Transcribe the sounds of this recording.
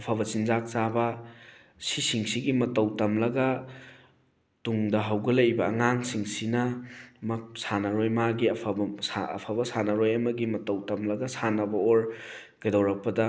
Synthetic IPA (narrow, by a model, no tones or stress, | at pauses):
ɐpʰaβɐt͡ʃinzak̚t͡ʃabɐ | sisiŋsiɡimɐtɐwtɐmlɐɡɐ | tuŋdɐɦɐwɡɐlɐjbɐːŋaŋsiŋsinɐmɐk̚sanɐɾojmaɡiɐpʰɐbsaɐ̰pʰabɐsanɐɾojɐmɐɡimɐtɐwtɐmlɐɡɐsanɐbɐoɾɡɐjdɐwɾɐk̚pɐdɐ